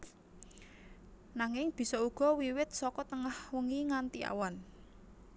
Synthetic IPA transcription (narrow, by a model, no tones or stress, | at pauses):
naŋɪŋb̥i̤sɔuɡ̥ɔ̤wiwɪt̪̚sɔkɔt̪əŋahwəŋiŋant̪ia̰wan